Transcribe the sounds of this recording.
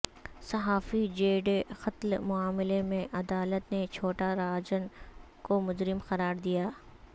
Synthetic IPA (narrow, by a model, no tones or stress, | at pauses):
sɐɦaːfid͡ʒeːɖexɐt̪lmʊaːmɪlemẽʔɐd̪aːlət̪net͡ʃʰoːʈaɾaːd͡ʒənkomʊd͡ʒɾɪmxɐɾaːɾd̪ijaː